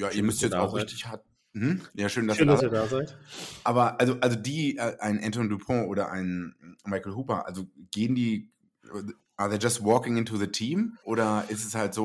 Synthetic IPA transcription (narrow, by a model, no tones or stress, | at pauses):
jaːiːɐmʏstjɛt͡saʊxʁçtɪçhaːt̩̚ | hm̩jaːʃøːndasʃiɐdaːɐdaːzaɪtʔaːbɐʔalzoʔalzodiːʔɛʔaɪnʔɛ̃ntɔndupʰɔ̃ʔoːɾɐʔa̰ɪnmaɪkl̩ɦuːpɐʔa̰lzoɡ̥eːəndiː | ʔaːɐðeːd͡ʒastvɔːkɪŋɪntuðətʰiːmʔoːɾɐɪstɛshaltz̥oː